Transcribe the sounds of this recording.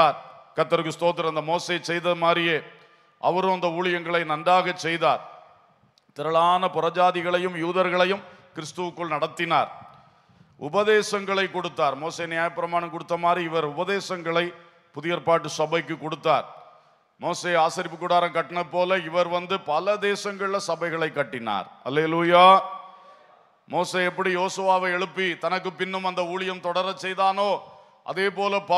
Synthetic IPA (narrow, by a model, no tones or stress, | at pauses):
aːɾkɐt̪ːɐɾɯk̬ːɯst̪oːt̪̬ːɪɾɐnd̪ɐmoːseːt͡ʃɛjðɐmaːɾrɪjeː | ʔɐ̰ʋɐɾõɐnd̪ɐuːɭɪjɐŋɡɐɭɐɪnɐnɖaːɣɐt͡ʃːɛjðaːɾ | t̪ɪɾɐɭaːnɐpʊɾɐd͡ʒaːðɪɣɐɭɐjɯmjuːðɐɾɣɐɭɐjɯmkɪɾɪst̪ɯʋɯkːɯɭnɐɽɐt̪ːɪnaːɾ | ʊbɐðeːsɐŋɡɐɭɐɪkːɔɽɯt̪ːaːɾmoːseːnɪjaːjɐpːɪɾɐmaːɳɐmkɔɽɯt̪ːɐmaːd̪riɪʋɐɾʊbɐðeːsɐŋɡɐɭɐɪ | pʊðɪjɐɾpaːʈːɯsɐbɐɪkːɯkːɔɽɯt̪ːaːɾ | moːseːaːsɐɾɪpːɯkːʊɽaːɾɐmkɐʈːɐnɐpːoːlɐɪʋɐɾʋɐnd̪ɯpɐlɐd̪eːsɐŋɡɐɭɪlɐsɐbɐɪɣɐɭɐɪkːɐʈːɪna̰ːɾhɐleːluːjaː | moːseːɛpːɐɽijoːsɯʋaːʋɐɪɛɻɯpːit̪ɐnɐkːɯpɪnːɯmɐnd̪ɐuːɭɪjɐmt̪ɔɽɐɾɐt͡ʃːɛjðaːnoː | ʔɐ̰ðeːpoːlɐpɐ